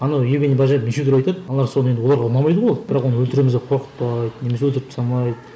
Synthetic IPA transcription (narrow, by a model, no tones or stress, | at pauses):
ɑnɑwjebʲenebɑʒɑmeʃewt̪ɪɾɑjt̪ɑd̪ɑlˠɑɾsoned̪ɪwo̞lˠɑɾʁɑʊnɑmɑjd̪əbolˠɑd̪bɪɾɑqwonəwɵlt̪ɪɾemɪzɡʲeqʰo̞ɾqə̥t̪pɑjd̪əne̞mes̬ewɵlt̪ɪɾɪpt̪sɑnˠɑjd̪ə